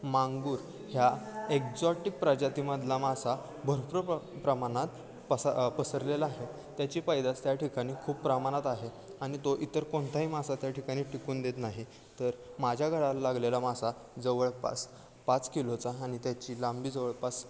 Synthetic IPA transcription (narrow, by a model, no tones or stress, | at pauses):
maŋɡuːɾ | hjaekd͡zɔʈik̚pɾad͡ʑat̪iməd̪ʱlamasa | bʱəɾpɾəpɾəmañat̪ | ppəsəɾlelaaɦe | t̪jat͡ɕiːpajd̪at͡st̪jaʈʰikaɽ̃iːkʰuːppːɾəmañat̪aɦe | aɽ̃it̪oʔit̪əɾkoɳt̪ʰaɦiːmasat̪jaʈikaɽ̃iːʈikuːnd̪et̪naɦi | t̪əɾmad͡ʑʱjaɡʱəɭallaɡlelamasa | d͡zəʋəɭpa̰s | pat͡skilot͡saːɽ̃it̪jat͡ɕiːlambiːd͡zəʋəɭpas